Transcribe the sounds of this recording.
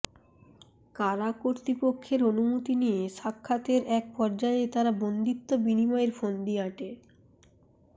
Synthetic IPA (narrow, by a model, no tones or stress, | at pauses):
kaɾakoɾt̪ɾipokʰːeɾonumot̪inieʃakʰːat̪eɾʔɛk̚pɔɾd͡ʑaet̪aɾabond̪it̪ːobinimɔeɾfond̪iaʈe